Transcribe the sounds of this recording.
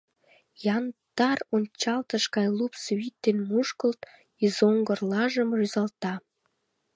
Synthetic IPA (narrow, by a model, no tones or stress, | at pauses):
jɑnd̪̥ɑronʲt͡ɕɑlt̪əʃkɑjlupswit̪ːenmuʃkəlt̪ | izoŋɡərlɑʒəmryzɑlt̪ɑ